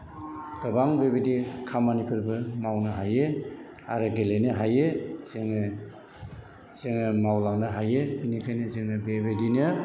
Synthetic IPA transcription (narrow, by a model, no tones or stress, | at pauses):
ɡ̥ɯbaŋbebedikʰamːanipʰuɾbɯmawnɯɦaje | a̰ɾɯɡelenɯɦajezeŋ | z̥eŋɯmawlaŋnɯɦajɯinikʰajnɯzeŋɯbebedinɯ